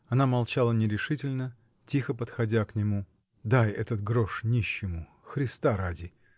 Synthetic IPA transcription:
ɐnamɐlˠt͡ɕalˠənʲɪɾʲɪʂɨtʲɪlʲnə | tʲixəpət̪xɐdʲaknʲɪmu | d̪ajɛt̪ət̪ɡɾoʂnʲiɕːɪmʊ | xɾʲɪst̪aɾadʲɪ

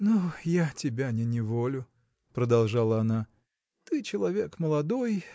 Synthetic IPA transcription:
nujatʲɪbʲanʲɪnʲɪvolʲʊ | pɾəd̪ɐlˠʐalˠəɐna | t̪ɨt͡ɕɪlˠɐvʲe̞kməlˠɐd̪o̞j

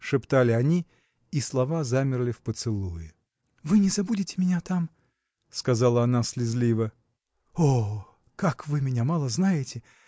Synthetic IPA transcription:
ʂɨpt̪alʲɪɐnʲi | islˠɐvazamʲɪrlʲɪfpət̪sɨlˠujɪ | vɨnʲɪzɐbudʲɪtʲɪ̥mʲɪnʲat̪am | skɐzɑlˠəɐnaslʲɪzlʲivə | o | kakvɨmʲɪnʲamalˠəznajɪtʲɪ

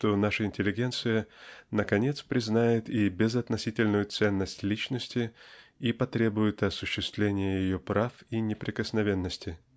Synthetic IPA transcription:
ʂt̪o̞naʂəɪnʲtʲɪlʲɪɡʲe̞nt̪sɨjənəkɐnʲe̞t̪spɾʲɪznajɪt̪ibʲɪzɐt̪nɐsʲitʲɪlʲnʊjʊt̪sɛnːəsʲtʲlʲit͡ɕnəsʲtʲɪipɐt̪ɾʲe̞bʊjɪt̪ɐsʊɕːɪst̪vlʲenʲɪjəjɪjopɾafinʲɪpɾʲɪkəsnɐvʲe̞nːəsʲtʲɪ

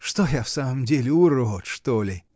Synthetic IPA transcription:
ʂt̪ojafsaməmdʲelʲɪuɾoot̪ʂt̪olʲɪ

